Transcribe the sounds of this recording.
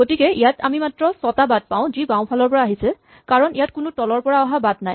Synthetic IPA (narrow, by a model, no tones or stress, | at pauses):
ɡotikɛijatʰa̰mimatɹɔsɔtabad̚paʊ̃zibãʊ̃pʰalɔɹpɔɹaːɦisɛ | kaɹɔnijatkʊnʊtɔlɔɹpɔɹaɔɦabadnaj